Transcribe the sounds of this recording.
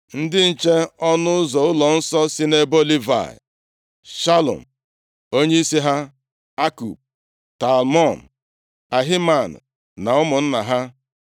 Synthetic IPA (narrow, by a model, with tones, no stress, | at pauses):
n̩˦dɪ˦n̩˨t͡ʃe˦ɔ˦nʊ˦ʊ˦zɔ˨ʊ˦lɔ˨n̩˦sɔ˦si˦ne˦bo˦li˦va̰˨ɪ̰˨ | ʃa˦lɔ̰˨m̩˨ | o˦ɲe˦i˦si˦ɦa˦ | a˦kṵ˨p̚ | ta˨lmɔ˦˨n˨ | a˨ɦi˦ma˨n̩̰˨ | na˨ʊ˦mʊ˨n̩˦na˨ɦa˦